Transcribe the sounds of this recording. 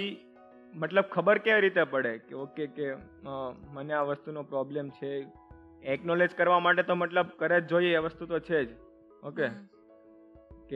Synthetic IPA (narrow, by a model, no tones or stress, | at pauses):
i | məʈ̪ləb̚kʰəbəɾkeʋɾit̪epəɽekeokeke | məneaʋəst̪unopɾɔblemt͡ʃʰe | ɛknɔled͡ʒkəɾʋamaʈet̪oməʈləb̚kəɾed͡ʒojeeʋəst̪ut̪ot͡ʃʰed͡ʒ | oke | ke